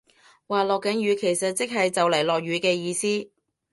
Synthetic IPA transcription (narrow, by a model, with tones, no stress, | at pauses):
waː˨lɔː˨kːɐ˨˥nɥyː˨˧kʰe˨˩jsɐ˨t̚t͡sɪ˥k̚ɦɐ˨jt͡sɐ˨wlɐ˨˩jlɔː˨k̚ɥyː˨˥kɛː˧jiː˧siː˥